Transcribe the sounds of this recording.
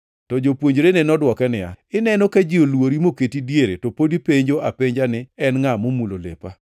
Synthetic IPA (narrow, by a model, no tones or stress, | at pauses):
tɔd͡ʒopwoɲd͡ʒɾenenɔdwɔkɛnɪa̰ɪnɛnokad͡ʒɪolwoɾimoketidjeɾḛtopodipeɲd͡ʒoʔapeɲd͡ʒanɪɛnŋamomulolḛpa